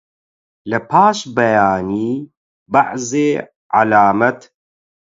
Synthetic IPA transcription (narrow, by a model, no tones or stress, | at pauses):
lɐpʰaːʃbɐjaːniː | baʕzeː | ʕa̰laːmɐt̪